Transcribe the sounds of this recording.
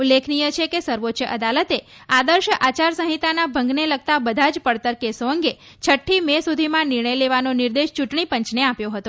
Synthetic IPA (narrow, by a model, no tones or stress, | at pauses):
ulːekʰnijət͡ʃʰekesəɾʋotːʃəʔəd̪alət̪e | ad̪əɾʃʔat͡ʃaɾsəɦit̪anabʱəŋɡneləɡ̚t̪abəd̪ʱad͡ʒpəɽt̪əɾkesoə̃ŋɡe | t͡ʃʰəʈʰːimesud̪ʱimãnɪɾɳəjleʋanonɪɾd̪eʃt͡ʃuʈɳipəɲt͡ʃneapjõɦət̪o